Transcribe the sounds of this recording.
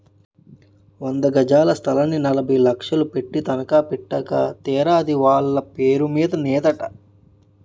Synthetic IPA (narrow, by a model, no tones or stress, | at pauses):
ʋond̪ɐɡɐd͡ʒaːlɐst̪ʰɐlɐnːinɐlɐbʱɐjlɐkʂɐlupeʈːit̪ɐnɐkaːpeʈːɐkɐ̰t̪ɛːɾaːd̪iʋaːɭːɐpeːɾumiːd̪ɐnɛːd̪ɐʈɐ